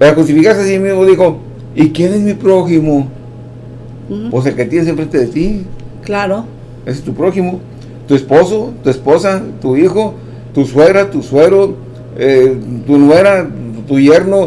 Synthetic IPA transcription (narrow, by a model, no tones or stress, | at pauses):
peɾaxɾust̪ifikaɾst̪easimizmoðixo̞ | ikje̞ne̞zmipɾoximo | pwes̬e̞lke̞t̪jenesjempɾent̪eðet̪iklaɾo | esest̪upɾo̞ximo | t̪ue̞spo̞sot̪uesposat̪uixo | t̪usweɣɾat̪usweɣɾo | et̪unweɾat̪uʝe̞ɾno